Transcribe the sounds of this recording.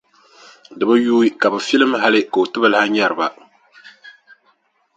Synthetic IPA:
dɨ˨ba˦juː˦i˦ka˨bɨ˨fi˦lɨ˦mɦa˦lɨ˦ka˨o˨tɨ˦bɨ˦lha˦ɲa˦ɾɨ˨ba˨

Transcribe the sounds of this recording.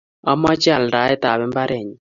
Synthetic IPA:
a˦mɔ˦t͡ʃɪ˦a˨lɾa˨˦ɛ˦t̪a˨bɛ˦mba˦ɾɛ˨ɲi˨

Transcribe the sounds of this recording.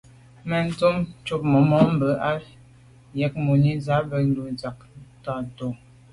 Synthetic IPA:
mə˨n̩˦to˦mt͡ʃu˦p̚mə˨mɔ˨˦m̩˦bə˨˦ʔa˦l | jɛ˨˦k̚mo˨ni˦za˨˦bə˨n˦du˨n˨za˨k̚ | ta˨to˨

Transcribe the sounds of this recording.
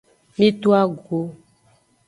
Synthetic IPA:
mĩ˦t̪u˦a˦ɡo˨˦

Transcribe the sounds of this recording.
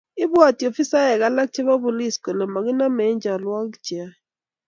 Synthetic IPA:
ɪ˦ba˦˨ti˨o˨fi˦sa˦ɛ˨ka˦la˦k̚t͡ʃɛ˦βa˦bʊ˨li˦sko˨lɛ˨ma˨ɡɪ˦na˦mɛ˨˦ɲd͡ʒa˨lwa˦kt͡ʃa˦

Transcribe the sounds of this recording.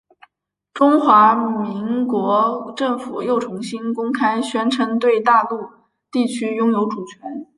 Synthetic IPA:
ʈ͡ʂʊ˥ŋxwa˧˥mi˧˥ŋkwɔ˧˥ʈ͡ʂɤ˥˩ŋfu˨˩jo˥˩ʊʈ͡ʂʰʊ˧˥ŋɕi˥nkʊ˥ŋkʰa˥ɪɕɥɛ˥nʈ͡ʂʰə˧˥ŋt̪we˥˧ɪt̪a˥˧lu˥˧ | t̪i˥˩t͡ɕʰy˥jʊ˥ŋjo˧˥ʊʈ͡ʂu˨˩t͡ɕʰɥɛ˧˥n

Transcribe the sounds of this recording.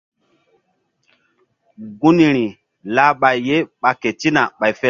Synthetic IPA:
ɡu˦ni˨ɾi˨ | la˦ɓa˨jːe˦ɓa˨ke˨ti˦na˨ɓa˨jfɛ˦

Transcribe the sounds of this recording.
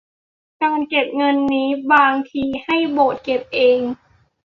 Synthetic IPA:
ka˧ŋke˨˩p̚ŋɤ˧nːiː˦˥baː˧ŋt̪ʰiː˧ha˥˩jboː˨˩t̪̚ke˨˩p̚ʔeː˧ŋ

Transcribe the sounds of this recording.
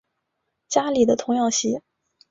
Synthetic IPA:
t͡ɕja˥li˨˩d̪ə˦t̪ʰʊ˧˥ŋjɑ˥˩ŋɕi˧˥

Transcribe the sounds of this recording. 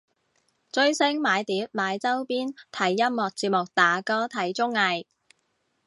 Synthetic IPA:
t͡ʃɵ˧ɥsɪ˥ŋmaː˨˧jt̪iː˨˥p̚maː˨˧jt͡sɐ˥wpiː˥nt̪ʰɐ˨˥jːɐ˥mmɔː˨k̚t͡siː˧p̚mʊ˨k̚t̪aː˨˥kɔː˥t̪ʰɐ˨˥jt͡sʊ˥ŋɐ˨˧j

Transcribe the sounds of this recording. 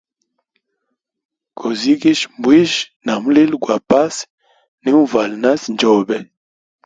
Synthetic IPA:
ko˨zi˦ɡi˦ʃmbwi˦ʃ | na˨mu˦li˦lɡwa˨pa˦s | ni˦ũ˦va˨lna˦snd͡ʒɔ˨bɛ˨

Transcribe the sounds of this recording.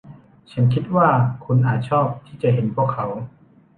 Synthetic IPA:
t͡ɕʰa˦˥nkʰi˦˥t̪̚waː˥˩kʰu˧˥nʔaː˨˩t̪̚t͡ɕʰɔː˥˩p̚t̪ʰiː˥˩t͡ɕa˨˩ɦe˨˦npʰu˥˩əkʰːa˩˨˦w

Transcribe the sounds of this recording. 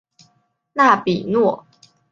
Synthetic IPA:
na˥˨pi˨˩nwɔ˥˩

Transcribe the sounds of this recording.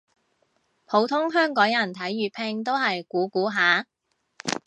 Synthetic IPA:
pʰo˨˥wt̪ʰʊ˥ŋɦœː˥ŋkɔː˨˥ŋjɐ˨˩nt̪ʰɐ˨˥jɥyː˨t̚pʰɪ˧ŋt̪̬o˥wɦɐ˨jkuː˨˥kuː˨˥ɦaː˨˥

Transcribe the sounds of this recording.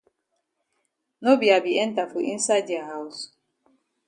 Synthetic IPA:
no˦bi˨a˨bi˨e˦n̩˦ta˨fu˨ḭ˦n̩˦sa˦di˨a˨ɦa˦u˦s

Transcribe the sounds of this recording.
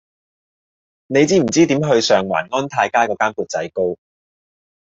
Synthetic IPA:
ne˨˧jt͡siː˥m̩˨˩t͡siː˥t̪iː˨˥mɦɵ˧ɥsœː˨˧ŋwa̰ː˨˩nŋɔː˥nt̪ʰaː˧jkaː˥jkɔː˨˧kaː˥npuː˨˧t̚t͡sɐ̰˨˥jko˥w

